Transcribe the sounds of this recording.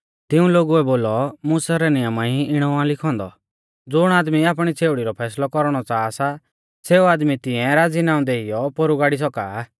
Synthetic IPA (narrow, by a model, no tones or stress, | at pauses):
t̪ɪũloːɡuɛboːlɔmuːsaɾɛnɪjəmaiɪɽ̃ɔãlɪkʰɔ̃ːnd̪ɔ̰ | d͡zʊɽ̃aːd̪miaːp̬ɽ̃it͡sʰeːʊɽiɾɔpʰɛːslɔkɔɾɽ̃ɔt͡saːsa | seːuaːd̪mit̪ɪɛ̃ɾaːd͡zinaːũd̪eijɔpɔɾuɡaːɽis̬ɔka̰ː